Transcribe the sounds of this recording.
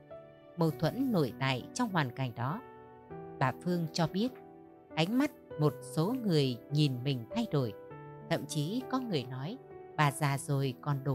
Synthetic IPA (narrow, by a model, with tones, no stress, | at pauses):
mə˨˩wt̪ʰwə̰˧˥nːo̰˧˩jt̪a̰ː˧˨jt͡ɕɔ˧wŋ͡mɦwaː˨˩nka˨˩jŋ̟ɗɔ˨˦ | ɓaː˨˩fɨ˧əŋt͡ɕɔ˧ɓi˦˥ət̚ | ʔa˨˦jŋ̟ma˦˥t̚mo˨˩t̚so˨˦ŋɨ˨˩əjɲi˨˩nmï˨˩ŋ̟t̪ʰa˧jɗo˧˩jt̪ʰə̰˧˨mt͡ɕi˨˦kɔ˨˦ŋɨ˨˩əjnɔ˨˦jɓaː˨˩zaː˨˩zo˨˩jkɔ˨˩nɗo˨˩